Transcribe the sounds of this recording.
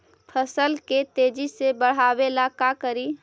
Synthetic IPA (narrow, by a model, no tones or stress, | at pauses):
pʰəsəlket̪ed͡ʒisebəɽ̤aʋelakakəɾi